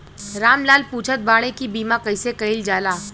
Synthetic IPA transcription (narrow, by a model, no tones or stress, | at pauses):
ɾaːmlaːlpuːt͡ʃʰət̪̚baːɽ̃ekibiːmãkɐɪsekɐɪld͡ʒaːlaː